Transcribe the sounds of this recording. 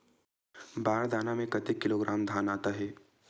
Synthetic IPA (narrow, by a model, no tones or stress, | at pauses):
baːɽd̪ʱaːnamẽkɐt̪ekːɪloɡɾʔaːmd̪ʱaːnaːt̪aɦɛː